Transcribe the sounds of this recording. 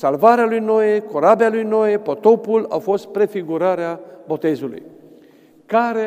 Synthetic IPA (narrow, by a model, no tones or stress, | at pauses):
salvaɾealujno̞jekoɾabealujno̞jepot̪o̞pula̰fo̞st̪̚pɾe̞fiɡuɾaɾeabo̞t̪e̞zulṵj | kaɾe